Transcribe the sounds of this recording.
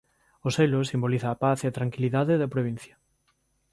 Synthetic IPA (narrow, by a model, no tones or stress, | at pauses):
oselosimboliθaːpaθiat̪ɾaŋkiliðaðeðapɾoβ̞ĩn̟θja